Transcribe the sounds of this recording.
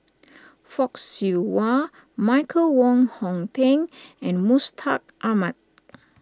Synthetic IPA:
fɔksuwa | maɪkʰəlwɔ̃ŋhɔ̃ŋtɛ̃ŋɛ̃nmustʰak̚ʔamat̚

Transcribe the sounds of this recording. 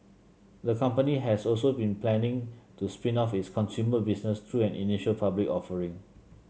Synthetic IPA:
dəkʰãmpəniɦɛsɔlsobĩnpʰlɛ̃nɪ̃ŋtuspĩnɔfitskʰɔ̃nsjuməbisnəst̪ʰɹuɛ̃nḭniʃəlpʰablikɔfəɹĩŋ

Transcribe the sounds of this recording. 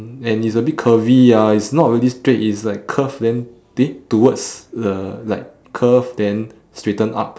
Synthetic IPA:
ɛ̃nits̬əbit̚kʰəvijaitsnɔt̚ɹilistɹetislaɪkʰːəfdɛ̃n | tetuwədsdəlaɪkʰːəfdɛ̃n | stɹetə̃na̰p̚

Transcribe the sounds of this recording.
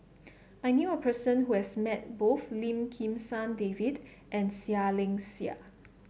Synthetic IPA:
ʔajnjuəpʰəsə̃nhuhɛsmɛt̚boθlĩmkʰĩmsãndevid | ʔɛ̃nsialɪ̃ŋsia̰

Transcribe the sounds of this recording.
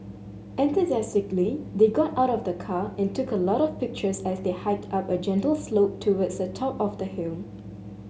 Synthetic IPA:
ʔɛ̃nt̪uzɛstɪklid̪eɡɔtaʊɾɔvdəkʰaɛ̃ntʰukəlɔɾɔfpɪk̚t͡ʃəsɛsd̪ehaɪp̚tʰapəd͡ʒɛ̃ntəlˠsloʊp̚tʰːuwədsdətʰɔpɔfd̪əhilm

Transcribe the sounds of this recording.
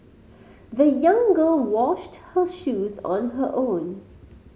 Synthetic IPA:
ðəjʌ̃ŋɡəːlˠwɔʃthəʃuːzɔ̃nɦəʔõːn

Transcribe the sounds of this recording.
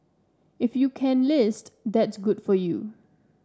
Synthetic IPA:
ɪfjukʰɛ̃nlɪstd̪ɛtsɡʊd̥fɔjṵ

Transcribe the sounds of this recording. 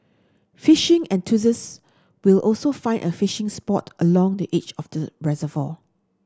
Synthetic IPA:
fiʃɪ̃ŋɛ̃ntʰuzəs | wilɔlsofãɪ̃nʔə̰fiʃɪ̃ŋspɔtəlɔ̃ŋdiʔet͡ʃɔfd̥əɹɛzəvɔ

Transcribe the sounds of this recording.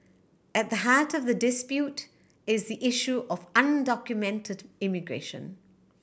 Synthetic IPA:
ɨt̪̚ðəɦaɹtʌvðədɪspjut | ɪzðiʔɪʃuʔəvʌ̃ndɑkjɨmɛ̃ntʰɨdɪmɨɡɹḛɪʃə̰̃n

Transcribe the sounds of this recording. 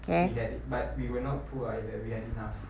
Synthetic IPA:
kʰeiɛdt̚bat̚wiwənɔt̚pʰuajdɛwihɛdinaf

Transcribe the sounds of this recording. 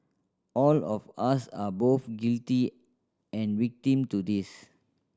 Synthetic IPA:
ʔɔlɔfasaboθɡilti | ɛ̃nwik̚tĩmtud̪is

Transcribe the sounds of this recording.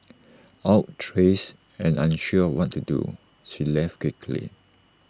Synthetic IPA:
aʊttʰɹes | ɛ̃nãnʃuəwɔtʰːudṵ | ʃilɛftkwɪkʰlḭ

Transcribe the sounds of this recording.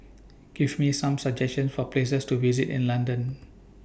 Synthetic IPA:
ɡ̥ivmisãmsad͡ʒɛstə̃nsfɔples̬əstuvizitɪ̰̃nlãndə̃n

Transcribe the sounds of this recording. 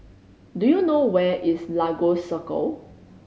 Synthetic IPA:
dujunowɛʔislaɡosəkə̰l

